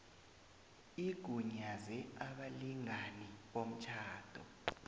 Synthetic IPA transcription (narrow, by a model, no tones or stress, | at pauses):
iɡ̥ʱuɲazɛaɓaliŋaniɓom̩t͡ʃʰaːd̥ʱɔ